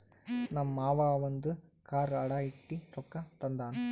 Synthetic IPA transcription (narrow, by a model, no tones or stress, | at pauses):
nɐmːaːʋaːʋɐnd̪ɯ | kaːɾɐɽaːiʈːiɾɔkːɐt̪ɐnd̪aːnu